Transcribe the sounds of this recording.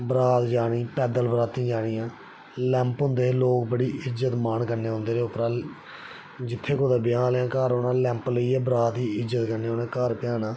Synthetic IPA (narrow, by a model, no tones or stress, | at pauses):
bɾaːt̪d͡ʒaːɽ̃iːpɛːd̪əlbəɾaːt̪ĩːd͡ʒaːɽ̃iːãː | lɛ̃ːmpɦʊ̃ːnd̪eːloːk̚bəɽiːʔɪzət̪maːnkəɾneːɦʊ̃nd̪eːɾeːʊpɾaː | d͡ʒɪt̪ʰːeːkoːd̪aːbɪjãːlãːkaːɾoːnãːlɛ̃ːmpləiːɛːbɾaːt̪iːɪzət̪kəɾneːɦoːnɛ̃ːkaːɾpɪjaːnaː